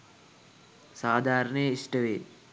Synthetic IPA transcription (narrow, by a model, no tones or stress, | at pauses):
saːd̪ʱaːɾəɳəjəisʈəʋeː